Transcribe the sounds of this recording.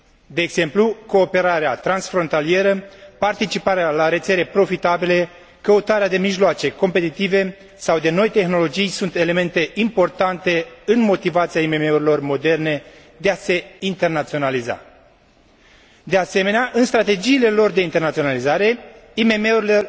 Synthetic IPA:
d̪e̞ːɡz̥e̞mpluko̞ːpe̞ɾaɾeat̪ɾansfɾo̞nt̪alie̞ɾəpart̪it͡ʃipaɾealaɾe̞t̪se̞ɾe̞pɾo̞fit̪abile̞ | kəut̪aɾead̪e̞miʒloat͡ʃe̞ko̞mpe̞t̪it̪ive̞ | sawd̪e̞no̞jt̪e̞xno̞lo̞d͡ʒijsunt̪e̞le̞me̞nt̪e̞impo̞rt̪ant̪e̞ɨnmo̞t̪ivat̪siaime̞me̞uɾilo̞rmo̞d̪e̞rne̞ | d̪e̞ase̞int̪e̞rnat̪sio̞naliza̰ | d̪e̞ase̞me̞neaʔɨnst̪ɾat̪e̞d͡ʒiːle̞lo̞rd̪e̞int̪e̞rnatsio̞nalizaɾe̞ime̞me̞uɾilo̞

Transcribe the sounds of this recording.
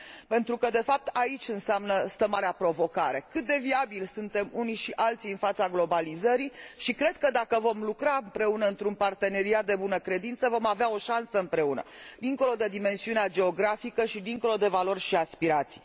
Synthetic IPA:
pe̞nt̪ɾukəd̪e̞fap̚t̪ait͡ʃʲɨnseamnəst̪əmaɾeapɾo̞vo̞kaɾe̞kɨt̪̚d̪e̞viabilsunt̪e̞muniʃiʔalt̪siɨnfat̪saɡlo̞balizəɾiʃikɾe̞d̪̥̚kəd̪akəvo̞mlukɾaɨmpɾe̞unəɨnt̪ɾunpart̪e̞ne̞ɾiat̪̚d̪ebunəkɾe̞d̪int̪səvo̞maveao̞ʃansəɨmpɾe̞unə̰d̪iŋko̞lo̞d̪e̞d̪ime̞nsiunead͡ʒe̞o̞ɡɾafikəʃid̪iŋko̞lo̞d̪e̞valo̞rʲʃiaspiɾat̪si̥

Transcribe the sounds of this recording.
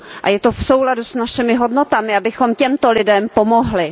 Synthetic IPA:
ʔa̰jɛt̪ofsowladusnaʃɪmɪɦodno̞t̪amɪabɪxo̞mcɛmt̪o̞lɪdɛmpo̞mo̞ɦlɪ

